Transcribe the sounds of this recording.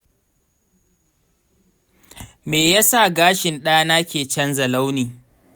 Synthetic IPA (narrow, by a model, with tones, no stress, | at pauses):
meː˨ja˦sa˦˨ɡaː˦ʃɪ˨nɗɐ˦ja˦naː˦kʲeː˨t͡ʃɐ˦nzɐ˨la˦wniː˨